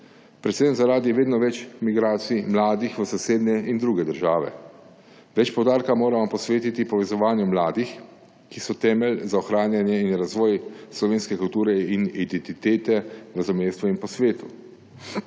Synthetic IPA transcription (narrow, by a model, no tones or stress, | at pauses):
pɾɛt̪senzaɾaːd̪iɛʋeːd̪nɔʋɛt͡ʃmiɡɾaːt̪simlaːd̪ixʋəsɔseːd̪nɛind̪ɾuːɡɛd̪əɾʒaːʋɛ̰ | ʋɛt͡ʃpɔwd̪aːɾkamoːɾamɔpɔsʋeːt̪it̪ipɔʋɛzɔʋaːnjumlaːd̪ix | kisɔt̪ɛːmɛlzaɔxɾaːnjanjɛinɾazʋɔːjslɔʋeːnskɛkult̪uːɾɛinid̪ɛnt̪it̪eːt̪ɛɾɐzɔmeːst̪ʋɔinpɔsʋeːt̪u